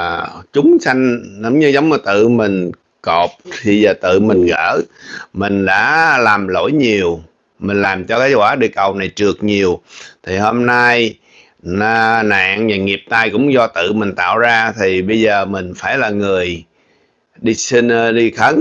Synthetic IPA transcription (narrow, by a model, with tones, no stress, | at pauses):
t͡ɕʊ˨˦ŋ͡msa˧jŋ̟ɗə˧˦wŋ͡mɲɨ˧zə˨˦wŋ͡mə˨˩t̪ɨ̰˧˨mï˨˩ŋ̟ | ko˨˩p̚t̪ʰi˨˩zəː˨˩t̪ɨ̰˧˨mï˨˩ŋ̟ɣə̰ː˧˥mï˨˩ŋ̟ɗa̰ː˧˥laː˨˩mlo̰˧˥˩jɲi˨˩əw | mï˨˩ŋ̟laː˨˩mt͡ɕɔ˧kaː˨˦jkwaː˧˩ɗɨ˨˧˨ək̚ːə˨˩wna˨˩jt͡ɕɨ˨˩ək̚ɲi˨˩əwt̪ʰi˨˩ho˧mna˧j | na̰ː˧˨ŋvaː˨˩ŋi˨˩əp̚t̪aː˧jkʊ̰˧˥ŋ͡mzɔ˧t̪ɨ̰˧˨mï˨˩ŋ̟t̪a̰ː˧˨wzaː˧t̪ʰi˨˩ɓə˧jzəː˨˩mï˨˩ŋ̟faː˧˩jlaː˨˩ŋɨ˨˩əj | ɗi˧si˧n˧ɗi˧xʰə˨˦ŋ